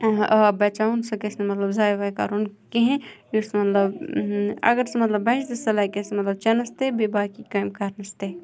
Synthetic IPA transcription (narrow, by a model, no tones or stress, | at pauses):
bɐt͡ʃaːunsɐkesnemɐt̪lɐbzaːjʋaːjka̰ːɾunkeɦẽjusmɐt̪lɐb | ɐ̰ɡəɾsemɐt̪lɐbːɐɪʃd̪ɐsɐlaːjkesemɐt̪lɐb̚t͡ʃɐnɐst̪ebebaːkikaːjmkaɾnɐst̪e